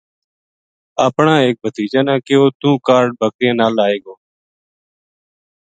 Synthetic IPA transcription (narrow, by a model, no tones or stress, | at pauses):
aːpɳãːeːk̚bʱət̪iːd͡ʒãːnãːkɪoːt̪ũːkaːɾɖ̚bʱəkɾɪjãːnaːlaːeːɡoː